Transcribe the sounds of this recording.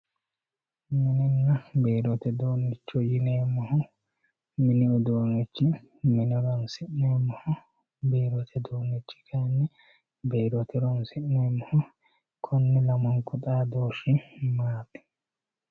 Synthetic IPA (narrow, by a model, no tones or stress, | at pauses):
mɪnɪnːɐbeːɾɔt̪ɛd̪oːnːɪt͡ʃːɔjɪneːmːɔhʊ | mɪnɪʊd̪oːnɪt͡ʃːɪ | mɪnɔɾɐnsɪʔneːmːɔhʊ | beːɾɔt̪ʰɛd̪oːnːɪt͡ʃːɪ̥kʰɐnːɪ | beːɾɔt̪ʰɛɾɔnsɪʔneːmːɔhʊ | kʰɔnːɪlɐmɔŋkʊt̪ʼaːd̪oːʃɪmaːt̪ɛ̥